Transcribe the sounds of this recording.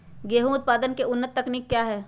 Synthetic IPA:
ɡeːɦũʊt̪̚paːd̪ənkeʊnːət̪ːɐkniːkːjaːɦɛː

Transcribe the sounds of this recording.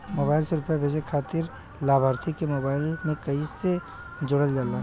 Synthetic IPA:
moːbaːɪlseɾʊpjabʱed͡ʒekʰaːt̪ɪɾ | laːbʱaːɾt̪ʰikemoːbaːɪlmẽkɐise | d͡ʒʊɽəljaːlaː

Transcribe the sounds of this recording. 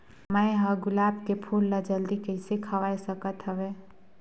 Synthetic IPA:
mə̃ẽɦəɡʊlaːbkepʰuːlːad͡ʒəld̪ikəɪsekʰəʋaːesəkət̪ɦəʋeː

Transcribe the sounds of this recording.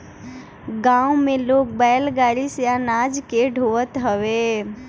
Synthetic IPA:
ɡãːumẽloːk̚bɛːlɡaːɾisjanaːd͡ʒkeɖʱoʋət̪ɦəʋe

